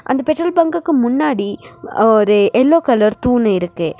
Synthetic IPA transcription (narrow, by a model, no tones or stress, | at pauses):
ʔɐ̰nd̪ɐpɛʈɾɐlbɐŋɡɯkːɯmʊnːaːɽiɔɾɯʔɛlːoːkɐlɐɾt̪uːnɐɪɾɯkːɯ